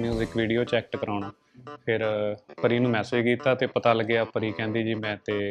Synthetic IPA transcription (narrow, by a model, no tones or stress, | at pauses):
niːzɪkʋiːɖiːoːt͡ʃɛːkʈkəɾaːnaː | pʰɪɾpəɾiːnũːmɛ̃ːsed͡ʒkiːt̪aːt̪eːpət̪aːləɡɪaːpəɾiːkɛ̃ːnd̪iːd͡ʒiːmɛ̃ːt̪eː